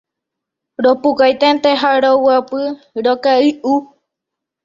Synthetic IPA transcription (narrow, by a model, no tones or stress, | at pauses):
ɾopukajt̪ent̪eɦaɾowapɨ | ɾokaɨʔu